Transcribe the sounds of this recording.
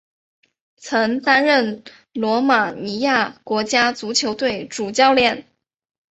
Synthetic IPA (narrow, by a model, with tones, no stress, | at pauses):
t͡sʰɤ˧˥ŋt̪a˥nɻə˥˩n | lwɔ˧˥ma˨˩ni˧˥ja˥˩kwɔ˧˥t͡ɕja˥t͡su˧˥t͡ɕʰjo˧˥ʊt̪we˥˩ɪʈ͡ʂu˨˩t͡ɕjɑ˥˧ʊljɛ˥˩n